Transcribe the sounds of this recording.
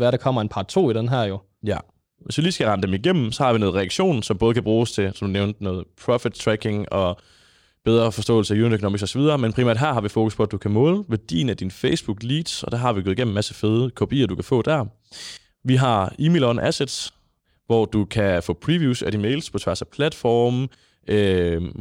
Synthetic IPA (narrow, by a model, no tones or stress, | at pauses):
ʋæɐɾɑkʰɒ̽m̰ɐe̝npʰɑ̈ːt͡sʰo̝̰ːid̥enɦæɐ̰jo̝ | jæ | ʋe̝sʋiliːsɡ̥æʁɑ̈nəd̥emiɡ̥em̰m̩sɒ̽hɑ̈ʋinɔ̽ːð̞̩ˠʁɛæɡ̥ɕo̝̰ːnsɒ̽mb̥ɔ̽ːð̞ˠəkʰæb̥ʁuːst͡sʰe̝sɒ̽md̥uneʊnd̥nɔ̽ːð̞̩ˠpʰʁɒ̽fid̥̚t͡sʰʁæɡ̥e̝ŋɒ̽ | b̥eð̞ˠʁɐːfɒ̽sd̥ɔ̰̽ːl̩səæjuːnidøkʰnoːmi̥ɡsɒ̽sɒʋið̞ˠɐːmenpʰʁimæ̰ɐd̥ɦæɐɦɑ̈ʋifo̝ːkʰuspʰɒ̽æd̥ukʰæmɔ̽ːləʋæɐd̥ḭːnæd̥infeɪsb̥uɡ̥liːd̥sɒ̽d̥æɐɦɑ̈ʋiɡɔːð̩ˠi̥ɡḛm̩mæsəfeːðˠəkʰopʰḭːɐd̥ukʰæfɔ̰̽ːd̥æɐ | ʋiɦɑ̈imelɒnʔæsed̥ | ʋɒd̥ukʰæfɔ̽ːpʰʁiʋjuːsæd̥imeɪlspʰɒ̽t͡sʰʋæɐ̰sæpʰlæd̥fɒːm | ø